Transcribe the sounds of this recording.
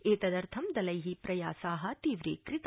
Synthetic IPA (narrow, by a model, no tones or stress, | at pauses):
eːt̪ɐd̪ɐɾt̪ʰɐmd̪ɐlɐjɦipɾɐjaːsaːɦɐ̆t̪iːʋɾḛːkɾɪt̪